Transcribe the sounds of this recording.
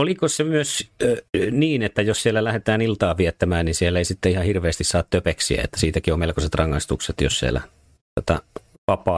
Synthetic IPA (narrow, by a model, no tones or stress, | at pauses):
olikosemyøs | niːnet̪ːæjossiælːælæhet̪æːnilt̪ɑːʋiet̪ːæmæːnninsielːeisit̪ːeihɑhirʋeːst̪issɑːt̪t̪øpeksḭæ̰ḛt̪ːæ̥siːt̪ækiomelkoset̪rɑŋːɑist̪ukset̪jo̰ssiæ̰læ̰ | ot̪ɑ̰ | ʋɑpˑɑː